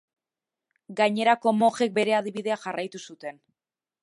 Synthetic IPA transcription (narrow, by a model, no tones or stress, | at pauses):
ɡaɲe̞ɾako̞mo̞ʝe̞k̚be̞ɾe̞að̞iβið̞e̞axarajt̪usut̪e̞n